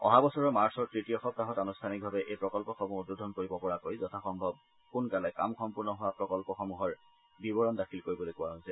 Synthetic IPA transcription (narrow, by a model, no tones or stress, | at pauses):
ɔ̰ɦabɔsɔɹɔmaɹsɔɹtɹitiɔxɔb̚taɦɔtanustʰanik̚bʱabɛʔejpɹɔkɔlpɔxɔmuɦʊdɹudʱɔnkoɹibɔpɔɹakojzɔtʰaxɔmbʱɔb̚ | kunkalɛka̰mxɔmpuɹnɔɦʊwapɹɔkɔlpɔxɔmuɦɔɹ | bibɔɹɔndakʰilkoɹibɔlojkʊwaɦojsɛ